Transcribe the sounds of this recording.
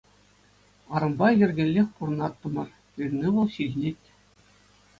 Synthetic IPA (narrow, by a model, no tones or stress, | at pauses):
ɑɾɤ̆mbɑjʲɘ̆rʲɡʲɘ̆lʲːexʲpurɤ̆nɑt̪ːɤ̆mɤ̆rʲ | irʲnʲeʋɤ̆lˠɕiʑʲnʲetʲ